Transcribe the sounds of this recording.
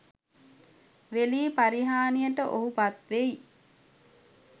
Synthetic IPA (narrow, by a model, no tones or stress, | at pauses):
ʋeliːpaɾiɦaːnijəʈəʔoɦupat̪ʋej